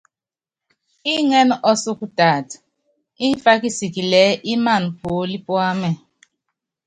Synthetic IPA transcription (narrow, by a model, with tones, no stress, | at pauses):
i˦ŋɛ˦nɔ˦su˦ku˦taː˨t | i˦ɱ˦fa˦ki˦si˨ki˨lɛ˨˦ʔi˦ma˦˨npo˨˦li˦pwa˦mɛ˨